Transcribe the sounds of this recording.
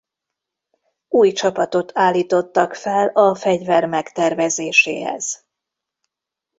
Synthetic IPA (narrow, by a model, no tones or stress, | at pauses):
uːjt͡ʃɒpɒt̪o̞t̪ʰaːlːiːt̪o̞t̪ːɒkfɛlɒfɛɟvɛrmɛkt̪ɛrvɛzeːʃḛːɦɛ̰z̥